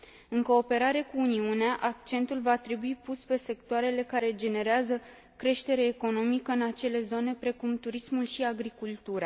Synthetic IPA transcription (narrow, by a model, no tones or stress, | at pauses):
ɨŋko̞ːpe̞ɾaɾe̞kuːniuneaʔak̚t͡ʃe̞nt̪ulvat̪ɾe̞buipuspe̞se̞kt̪oaɾe̞le̞kaɾe̞d͡ʒe̞ne̞ɾeazə | kɾe̞ʃt̪e̞ɾeːko̞no̞mikəɨnat͡ʃe̞le̞zo̞ne̞pɾe̞kumt̪uɾismulʃiaɡɾikult̪uɾa